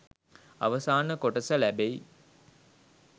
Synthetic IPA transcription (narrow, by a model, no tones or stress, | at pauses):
a̰ʋəsaːnəkoʈəsəlæbej